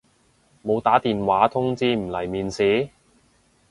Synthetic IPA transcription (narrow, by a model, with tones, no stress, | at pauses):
mo˨˧wt̪aː˨˥t̪iː˨nwaː˨˥t̪ʰʊ˥ŋt͡siː˥m̩˨˩lɐ˨˩jmiː˨nsiː˨˥